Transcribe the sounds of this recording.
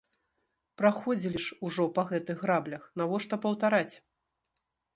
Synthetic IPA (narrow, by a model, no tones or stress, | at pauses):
pɾaxɔd͡zʲilʲiʂuʐɔpɐɣɛt̪ɨɣɣɾablʲɐxnavɔʂt̪ɔpɐwt̪aɾat͡sʲ